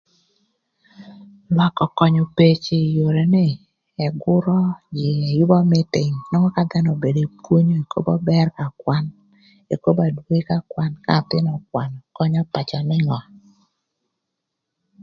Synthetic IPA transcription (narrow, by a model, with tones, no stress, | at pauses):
lwa˨kɔ˨kɔ˨ɲo˨pe˦t͡ʃɪ˨jo˨ɾe˨nɪ˦ | ɛ˨ɡʊ˦ɾɔ˦d͡ʒɪ˨e˨jʊ˦bɔ˦mɪ˦tɪ˨ŋnɔ˦ŋɔ˦ka˦d̪ɛ˦nɔ˨be˨de˨pwo˦ɲo˦e˨ko̰˦bɔ˦bɛ˦rka˨kwa˦n | e˨ko˦ba˨dwe˦ka˦kwa˦nka̰˦˨t̪ɪ˦nɔ˨kwa˨nɔ˨kɔ˦ɲɔ˦pa˨t͡ʃɔ˨nɪ˦ŋɔ˨